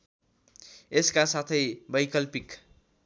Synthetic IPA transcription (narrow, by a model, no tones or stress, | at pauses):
eskasat̪ʰʌjbʌjkʌlpik